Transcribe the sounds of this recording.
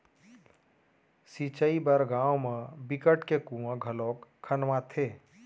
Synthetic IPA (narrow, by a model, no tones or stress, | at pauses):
sit͡ʃəibəɾɡãːwmẽbɪkəʈkekũwãɡʱəloːkkʰːənʋãt̪ʰeː